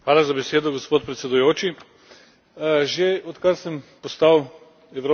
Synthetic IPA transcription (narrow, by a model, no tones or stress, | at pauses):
xʋaːlazabɛseːd̪ɔɡospoːt̪̚pɾɛt̪sɛd̪ujoːt͡ʃi | ʒeɔt̪kaɾsəmpɔst̪aw | ɛɾo